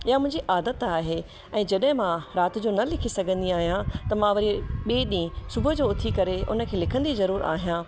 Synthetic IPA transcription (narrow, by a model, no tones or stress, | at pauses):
ɪɦamʊ̃ɦɪ̃ɲd͡ʑiʔaːd̪ət̪aːɦe | ɛ̃ːd͡ʑɐɗɦɪ̃mãɾaːt̪ɪ̆d͡ʑoːnɐlɪkʰisɐɡʱə̃nd̪iaːɦijãt̪ɐmãʋɐɾieɓeːɗĩsʊbʱʊd͡ʑoːʊt̪ʰikɐɾeʊ̰nə̆kʰeːlɪkʰə̃nd̪izɐɾuːɾa̰ːɦijãː